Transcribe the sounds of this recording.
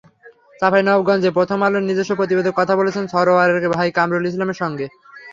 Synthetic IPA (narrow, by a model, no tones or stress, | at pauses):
t͡ɕafʰajnɔbɡɔnd͡ʑepɾot̪ʰomaloɾnid͡ʑeʃopɾot̪̬ibed̪ʱokːɔt̪ʰabolet͡ɕʰensʰɔɾoaɾeɾkebʱajkamɾolis̬lameɾʃɔŋɡe